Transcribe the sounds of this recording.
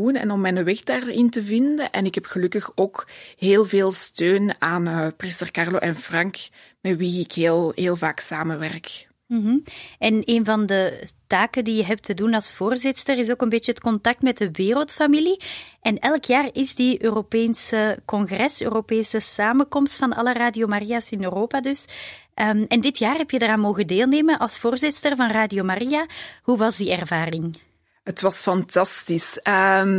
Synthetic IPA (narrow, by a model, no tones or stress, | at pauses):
unɛ̰nɔmːɛnəwɛxdaːrɪntəvɪndəʔɛnɪkɦɛpxəlɵkəxoːkɦeːlˠveːlˠstøːnaːnprɪstərkɑrloːʔɛnfrɑŋk | mɛtwiɪkɦeːlˠɦeːlˠvaːksaːməʋɛrk | m̩ɦ̩ɛneːnvɑndətaːkəndijəɦɛp̚tʰədunɑlˠsfoːrzɪtstərɪsoːkənbeːt͡ʃəətkɔntɑk̚tmɛtdəʋeːrəlˠtfamiliʔɛnɛlkjaːrɪzdiøːropeːnsəkɔŋɣrɛsø̰ːropeːsəsaːməkɔmstfɑnɑ̰lˠəraːdiomariasɪnøːroːpadʏsʔəɛndɪtjaːrɦɛpjədaraːnmoːɣədeːlˠneːmənʔɑlˠsfoːrzɪtstərvɑnraːdiomarijaɦuʋɑzdiɛrvaːrɪŋ | ətwɑsfɑntɑstisə